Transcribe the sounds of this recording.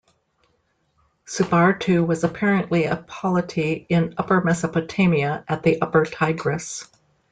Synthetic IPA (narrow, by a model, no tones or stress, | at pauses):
sɨbɑɹtʰʉwʌzəpʰɛɹɨ̃nʔliɨpʰɑlˠətʰiɪ̃nʌpə˞mɛsəpɨtʰẽɪ̃miɨʔɨt̪̚ðiʔʌpə˞tʰaɪɡɹɨs